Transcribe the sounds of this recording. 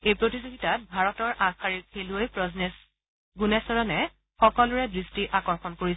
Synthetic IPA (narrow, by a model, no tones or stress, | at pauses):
ejpɹotizoɡitat̚bʱaɹɔtɔɹʔãxaɹiɹkʰeluojpɹɔzes | ɡunesɔɹɔnɛ | xɔkɔlʊɹɛdɹistiʔakɔɹxɔnkoɹi